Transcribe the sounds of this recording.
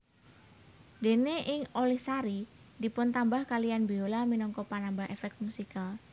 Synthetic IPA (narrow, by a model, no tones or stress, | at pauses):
de̤neʔɪŋolihsaɾi | di̤pʊnt̪ambahkalijanbiolaminɔŋkɔpanambaɦḛfɛk̚t̪̚musikal